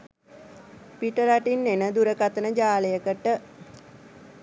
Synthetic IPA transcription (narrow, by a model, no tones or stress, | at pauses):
piʈəɾaʈinːenəd̪uɾəkat̪ənəd͡ʒaːləjəkəʈə